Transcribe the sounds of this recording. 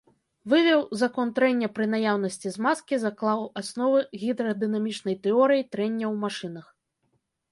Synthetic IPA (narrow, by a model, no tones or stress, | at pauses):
vɨvʲɛwzakɔnt̪ɾɛnʲːɐpɾɨnajawnɐsʲt͡sʲizmaskʲizaklˠawasnɔvɨɣʲid̪ɾɐd̪ɨnamʲit͡ʂnɐjt̪ɛɔɾɨjit̪ɾɛnʲːɐwmaʂɨnɐx